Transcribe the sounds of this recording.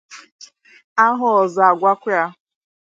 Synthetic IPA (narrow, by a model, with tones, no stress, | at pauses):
a˦ɦʊ˨ɔ˨za˨ɡʷa˦kʷʊ˦ja˦